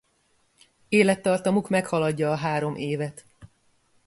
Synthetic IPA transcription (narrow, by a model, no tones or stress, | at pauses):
eːlɛt̪ːɒrt̪ɒmukmɛkhɒlɒɟːɒːɦaːɾo̞mʔeːvɛt̪